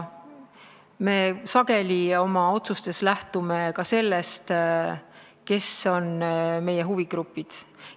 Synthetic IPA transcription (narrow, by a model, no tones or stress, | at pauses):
me̞ːsɑɡe̞lʲio̞mɑo̞t̪sust̪e̞slæht̪ume̞kɑse̞lːest̪ | ke̞so̞nme̞jeɦuviɡ̥ɾupːˑid̪̥